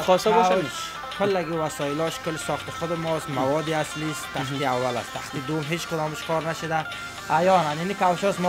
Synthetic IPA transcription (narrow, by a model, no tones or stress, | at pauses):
ɔsɔbɔ | kʰʊlːaɡivasɔilɔʃkʊlsɔχt̪ɪχʊd̪ɪmɔst̪mavɔd̪iaslist̪t̪ʰaχiavːala̰st̪ʰaχt̪id̪umɦet͡ʃkʊd̪ɔmɪʃkʰɔɾnaʃud̪a | ajɔnaninikʰawʃɔsm